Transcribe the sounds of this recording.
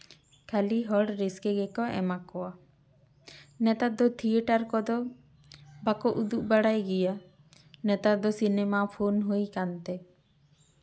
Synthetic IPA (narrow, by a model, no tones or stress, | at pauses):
kʰaliɦɔɽɾeskɛɡɛkɔʔɛ̰makɔa | nɛt̪at̪̚d̪ɔt̪ʰieʈaɾkɔd̪ɔ | bakɔʔud̪uʔ̚baɽajɡija | nɛt̪ad̪ɔsinɛmapʰonɦojkant̪ɛ